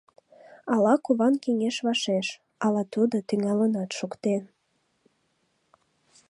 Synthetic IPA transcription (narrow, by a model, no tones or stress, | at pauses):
ɑlɑkuβɑnkiŋeʃβɑʃeʃ | ɑlɑt̪ud̪ot̪yŋɑlənɑt̪ʃukt̪en